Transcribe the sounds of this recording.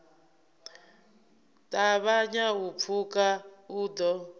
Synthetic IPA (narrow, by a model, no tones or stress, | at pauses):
tʼaβaɲaɦup̪fʰukauːd̪ɔ